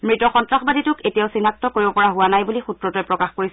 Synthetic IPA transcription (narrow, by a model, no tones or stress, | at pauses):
mɹitɔxɔntɹaxbaditʊketijaʊsinak̚tɔkoɹibɔpɔɹaɦʊwanajbulixutɹɔtɔjpɹɔkaxkoɹis